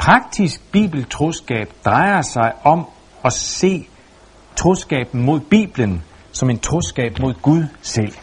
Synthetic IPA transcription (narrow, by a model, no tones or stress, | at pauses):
pʰʁɑ̈ɡ̥̚d̥isɡ̥̚b̥ḭːb̥l̩t͡sʰʁo̝sɡ̥ɛ̰ːb̥d̥ʁɑ̈ɪɐsɑ̈ɪɒ̽m | ɒ̽se̝̰ː | t͡sʰʁo̝sɡ̥ɛ̰ːb̥n̩mo̝ð̞̰ˠb̥ḭːb̥lən | sɒ̽me̝nt͡sʰʁo̝sɡ̥ɛ̰ːb̥mo̝ð̞̰ˠɡ̥uðˠsel̰